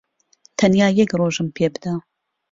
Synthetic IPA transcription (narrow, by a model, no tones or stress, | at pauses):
t̪ʰɐnjaːjɛkroːʒɨmpʰeːbɨd̪a